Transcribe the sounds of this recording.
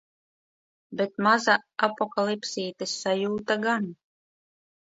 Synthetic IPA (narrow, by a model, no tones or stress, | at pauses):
bʲet̪̚mazaapɔkalˠipsiːt̪esːajuːt̪aɡan